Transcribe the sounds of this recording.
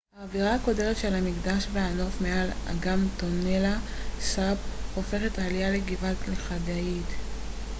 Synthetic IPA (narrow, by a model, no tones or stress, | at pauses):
haːviʁaako̞deʁetʃelhamiɡdaʃveano̞fmeala̰ɡamto̞nelasabofe̞χetalijaleɡivatleχadait